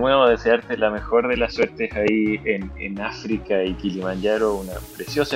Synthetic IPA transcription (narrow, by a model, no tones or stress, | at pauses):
nweβoðeseaɾt̪elame̞xo̞ɾðelasːweɾt̪esaienḛnafɾikaikilimaɲɟaɾounapɾesjo̞sa